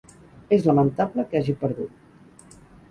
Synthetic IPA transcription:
ezləmənt̪abləkaʒipəɾðut̪̚

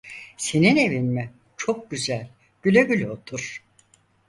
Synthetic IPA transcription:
se̞nine̞vinmɛ | t͡ʃʰo̞k̚ɟyzælʲ | ɟ̥ylʲeɟylʲot̪ʰuɾ̥

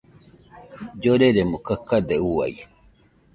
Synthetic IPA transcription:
d͡ʒoɾeɾemukakːad̪euwa̰j

